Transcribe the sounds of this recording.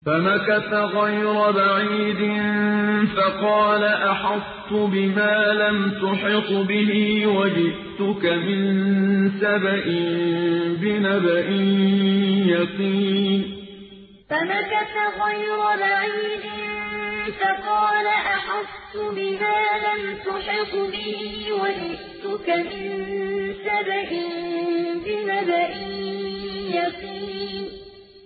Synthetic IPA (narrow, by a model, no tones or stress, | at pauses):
famakat̪aɣajɾʊbaʕiːd̪ɪnfɑqɑːlaʔaħɑst̪ʊbɪmaːlamt̪ʊħɪqbɪɦɪwad͡ʒɪʔt̪ʊkamɪnsabaʔɪmbɪnabaʔɪn | jɑqiːn | famakat̪aɣɑjɾˤʊlʕajdɪnfɑqɑːlaʔaħast̪ːʊbɪmaːlamt̪ʊħɪqːbɪhiwalɪʔt̪ʊkamɪnsabaʔɪnbɪnabaʔɪnjɑsˤiːnn